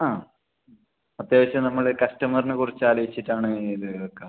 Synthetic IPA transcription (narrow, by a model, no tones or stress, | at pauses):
aː | ɐt̪jeːʋɐɕɐnɐmːɐɭkɐsʈɐmɐrnɨkurit͡ɕːaːlɐʋit͡ɕːiʈːaːɳɨiðɨokːe